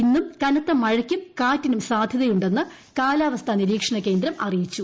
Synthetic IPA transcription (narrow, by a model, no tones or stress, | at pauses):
inːumkɐnɐt̪ːɐmːɐɻɐkʲːumkaːtːinumsaːd̪ʱjɐðɐjuɳɖe̞nːɨ | kaːlaːʋɐst̪ʰɐniɾiːkʂɐɳɐke̞ːnd̪ɾɐmɐrijit͡ɕːu